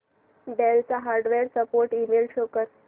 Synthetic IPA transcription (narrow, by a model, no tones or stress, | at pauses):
ɖelt͡saɦaɾɖʋeɾsəpoɾʈimelɕokəɾ